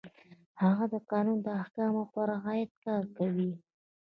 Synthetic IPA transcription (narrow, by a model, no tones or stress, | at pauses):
haɣad̪əqɑnund̪əahkɑmoxaɾaɣɑjat̪̚kɑɾkawi